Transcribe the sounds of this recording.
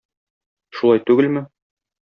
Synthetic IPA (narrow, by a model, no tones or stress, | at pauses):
ʃulɑjt̪ʉɡɘlmɘ